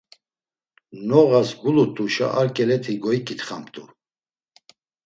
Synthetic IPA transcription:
nɔɣasɡulut̪ʼuʃa̰ʔaɾkʼɛlɛt̪ʰiɡɔikʼit̪χamt̪ʼu

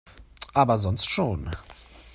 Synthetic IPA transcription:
ʔabazɔntstʂun

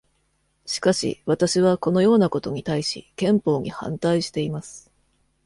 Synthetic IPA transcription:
ɕi̥kaɕḭβat̪aɕiβ̞ako̞no̞jo̞ːnako̞t̪o̞ɲ̟it̪aiɕḭkẽ̞mpo̞ːɲ̟ihã̰nt̪aiɕi̥t̪e̞imasɨ̥

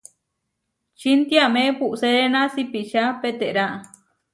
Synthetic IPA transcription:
t͡ʃint̪iamẽpuʔseɾenãsipit͡ʃapet̪eʔɾaʔa

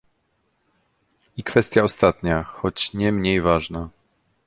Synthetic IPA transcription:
ikfɛst̪ʲjaɔst̪at̪ɲaxɔt͡ɕɲɛmɲejvaʐna

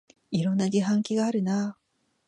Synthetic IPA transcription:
iɾõ̞nːaɡiɦãŋkʲiɡaːɾɯ̟na

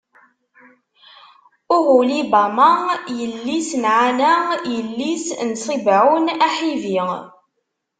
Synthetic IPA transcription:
ʊʁulibamajəlːisnʕanæjəlːisnsˤibʕunæħivi

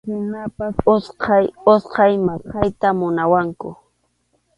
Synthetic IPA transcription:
kʊnapasosqʰɑjosqɑjmasqɑjt̪amʊnawaŋkʊ̰

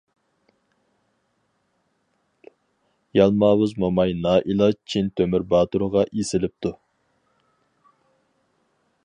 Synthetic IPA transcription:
jɑlˠmɑːwɨzmomɑjnɑːʔilˠɑt͡ʃʰint̪ʰømɪɾbɑːt̪uɾəʁɑʔisɪlɪp̚t̪ʰu

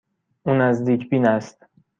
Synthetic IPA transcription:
ʔuːnæzd̪iːcʰbiːnæst̪

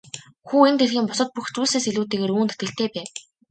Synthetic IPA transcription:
xuːent̪erxʲiːmpɔsə̆t̪̚puxt͡suːseːseɮuːt̪eːɣeːɾuːnt̪et̪ɡɘ̆ɬt̪eːpæː

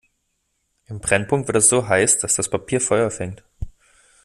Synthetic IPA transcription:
ʔɪmbʁ̥ɛnpʰʊŋktv̥ɪɐtɛsz̥oːɦaɪsd̥asd̥aspʰapʰiːɐfɔʏɐfɛŋt

